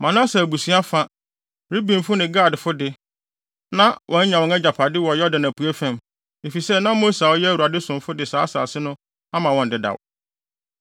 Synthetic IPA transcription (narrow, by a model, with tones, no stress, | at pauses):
mã˨nã˦sa˨bu˨si˦a˦fa˦ | ɾi˦bĩ˨m˨fʊ˦nɪ̃˨ɡaː˦˨dfʊ˦dɪ˦ | nã˦wʔɔ̃˨ɲ̩˦ɲã˨wɔ̃˨ŋɛ˦d͡ʑa˨pʰa˨dɪ˦wɔ˨jɔ˦dɪ˨nã˨pʰu˨æ˦fæ̃˨m | e˨fi˨sɛ˦nã˦mo˦sa˨wɔ˦jwu˨ɾa˨dɪ˦sʊ̃˨mfʊ˦dɪ˨saː˦sa̰ː˨sɪ˦nʊ̃˦ | a˦mã˨wɔ̃˨n̩˨dɪ˨da̰˨w